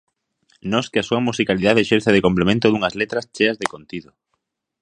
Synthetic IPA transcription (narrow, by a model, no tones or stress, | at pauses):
nɔskɪasuɐmusikaliðaðeʃeɾθeð̞ekomplemẽnt̪ʊðuŋɐzlet̪ɾɐst͡ʃeɐzðekont̪iðo